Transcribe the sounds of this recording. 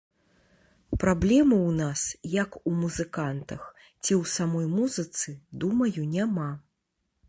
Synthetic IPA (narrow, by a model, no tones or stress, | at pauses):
pɾablʲɛmɨwnasjɐkumuzɨkant̪ɐx | t͡sʲiwsamɔjmuzɨt̪sɨd̪umɐjunʲama